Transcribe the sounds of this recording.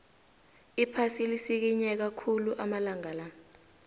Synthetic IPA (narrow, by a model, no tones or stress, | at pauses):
ipʰasilisik̬iɲɛk̬akʰuluʔamalaŋala